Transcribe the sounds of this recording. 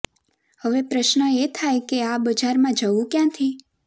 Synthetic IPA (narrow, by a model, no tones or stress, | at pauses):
həʋepɾəʃnəet̪ʰajkeabəd͡ʒaɾmãd͡ʒəʋũkjãt̪ʰi